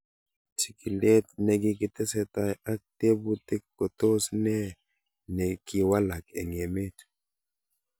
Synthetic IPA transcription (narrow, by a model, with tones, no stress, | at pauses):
t͡ʃi̥˨ki˨lɛ˦tnɛ˨ɡɪ˦kɪ˦tɛ˦sɛ˦ta˦˨ja˦k̚te˦bu˦t̪e˦kːo˨t̪o˦snɛ˦ | nɛ˨ki˦˨wa˦la˨kɛ˨ŋe˨me˦t